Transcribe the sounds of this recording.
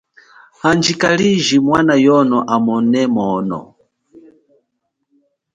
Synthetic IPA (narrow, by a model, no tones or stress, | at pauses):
hand͡ʒikaliʒimwanajɔnɔʔamɔnɛmɔːnɔ̰